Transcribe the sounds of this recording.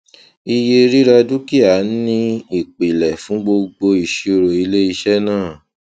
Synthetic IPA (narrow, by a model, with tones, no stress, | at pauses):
i˧je˧ɾi˦ɾa˧du˦ki˦a˨˦n̩˦nĩ˦i˦˨k͡pi˨lɛ˨fũ˨˦ɡ͡bo˧ɡ͡bo˧i˨ʃi˨˧o˧ɾo˨i˧le˦i˧ʃɛ˦nãː˦˨